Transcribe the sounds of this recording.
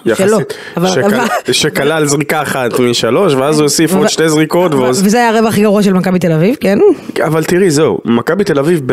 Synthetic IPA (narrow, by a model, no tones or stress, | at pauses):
jaʃest̪ | avaeaʃekalalzʁikaːχat̪miʃalo̞ʃveazuosifo̥ʃtejzʁiko̞t̪veovezeajaʁevaχiɡaʁuaʃelmakabit̪elavivkenavalt̪iʁizeṵmakabit̪e̞lavivb